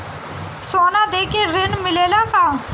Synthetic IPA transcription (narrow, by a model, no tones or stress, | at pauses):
soːnad̪eːkeɾɪnmɪleːlaka